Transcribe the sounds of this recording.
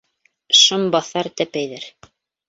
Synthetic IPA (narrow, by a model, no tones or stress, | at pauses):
ʃɤmbɑθɑɾt̪æpæjðæɾ